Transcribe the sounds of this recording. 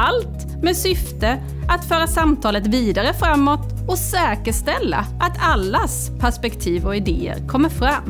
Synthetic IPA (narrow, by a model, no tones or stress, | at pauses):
alt̪ | meːsʏft̪ə | at̪fœːɾasamt̪ʰɑːlət̪viːd̪aɾəfɾamːɔt̪ | ɔsɛːkəʂt̪ɛlːa̰ʔat̪ʰalːas | pʰæʂpɛkt̪ʰiːvɔɪd̪eːə̰ɾkʰɔmːəɾfɾamː